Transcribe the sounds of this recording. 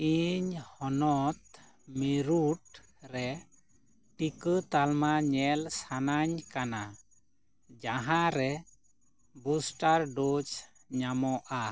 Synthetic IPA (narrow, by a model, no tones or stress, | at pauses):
iɲhɔnɔt̪̚ | miɾuʈ | ɾɛ | ʈikət̪almaɲɛlsanaɲkana | d͡ʒaɦãɾɛ | busʈaɾɖod͡ʒ | ɲamɔʔa